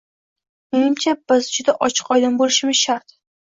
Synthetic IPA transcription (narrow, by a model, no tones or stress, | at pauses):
menɪmt͡ʃʰab̥ɪzd͡ʒʊd̪aʔɒt͡ʃʰɨ̥qɒjd̪anbolɪʃɪmɪzʃaɾt̪